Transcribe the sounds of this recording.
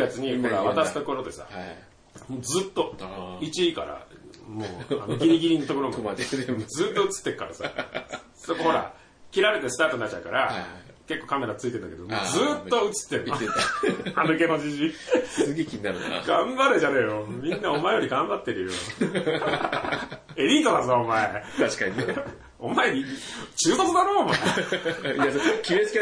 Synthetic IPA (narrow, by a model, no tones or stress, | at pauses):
jat͡sɨɲ̟ikoɾaat̪asɨ̥t̪oko̞ɾo̞d̪e̞̰sa̰ | moːd͡zɨːt̪ːo̞it͡ɕiːka̰ɾa̰moːa̰noɡʲiɲ̟iɡʲiɲ̟inot̪o̞ko̞ɾom | zɨːt̪ːo̞ɯ̟t͡sɨ̥t̪ːe̞ɾɯ̥ka̰ɾasa̰ | so̞ko̞ho̞ɾa̰ | kʲiɾaɾe̞t̪e̞sɨ̥t̪aːt̪onat͡ɕːaɯ̟kaɾa | ke̞kːokame̞ɾat͡sɨit̪end̪aked̪omozɨːt̪ːo̞ɯ̟t͡sɨ̥t̪ːe̞ɾɯno | anɯke̞no̞d͡ʑiʑissɨɡekʲiɲ̟inaɾɯn̰ɡãmbaɾɯd͡ʑanejomʲĩnːao̞maejo̞ɾʲiɡãmbat̪ːe̞ɾɯjo | eɾʲiːt̪o̞d̪azɨaomaeaɕkaɲie | omaeɲʲit͡ɕɨːt̪ot͡sɨd̪aɾoːmae | akʲimet͡sɨ̥ke